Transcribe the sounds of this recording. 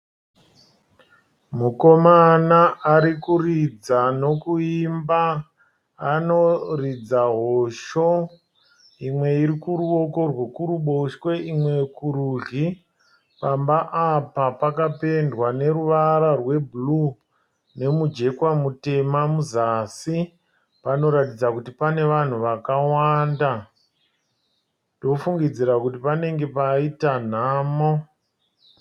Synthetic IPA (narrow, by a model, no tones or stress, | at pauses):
muko̞manaʔːɾikurid͡zano̞kuimbaː | no̞rid͡zaɦoʃo | imwe̞iɾikuɾuo̞ko̞rwekuɾuɓoʃwe̞ʔimwe̞kuɾuɮi | pambaʔapapakape̞ndwane̞ɾuʋaɾarwe̞blu | ne̞mud͡ʒe̞kwamute̞mamuzasi | pano̞ɾatid͡zakutipane̞ʋan̤uʋakawaːnda | ndo̞fuŋɡid͡ziɾakutipane̞ŋɡe̞paitan̤aːmo